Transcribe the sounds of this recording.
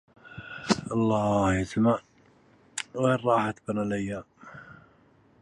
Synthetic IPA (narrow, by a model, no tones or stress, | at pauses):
ʔɑlˤːɑːhjɪsmaʕ | ɣeːrˤɑːħat̪banalajːa